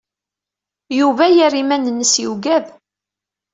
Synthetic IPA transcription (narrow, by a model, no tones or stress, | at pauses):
juvæjærimænənːəsjuwɡæð